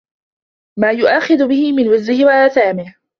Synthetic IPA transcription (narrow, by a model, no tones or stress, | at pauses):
maːjʊʔaːxɪðʊbɪhɪmɪnwɪzːɪhɪwaʔaːθaːmɪh